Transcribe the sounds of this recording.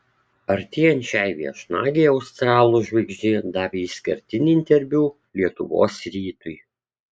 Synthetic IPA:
ɐɾʲt̪ʲiːjɛnʲt͡ʃʲɛɪʋʲiɛʃnɑːɡʲɛɪɒʊst̪ɾɑːlˠuːʒʲʋɐɪɡʒʲd͡ʒʲɪd̪ɑːpʲisʲkʲɐ̰ɾʲt̪ʲɪnʲiːɪnʲt̪ʲɛɾʲʋʲuː | lʲiɛt̪ʊ̰ʋo̰ːsɾʲiːt̪ʊj

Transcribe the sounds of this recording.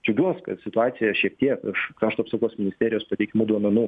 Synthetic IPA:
d͡ʒʲʊɡʲuɔskɐ̰t̪sʲɪt̪ʊɑːt̪sʲɪjɛʃʲiɛkt̪ʲiɛkɪʃkɾɑːʃt̪oɐpsɐkoɔsmʲɪnʲɪsʲt̪ʲæːɾʲɪjoːspɐt̪ʲɛɪkʲɪmuːd̪uɔmʲɛnuː

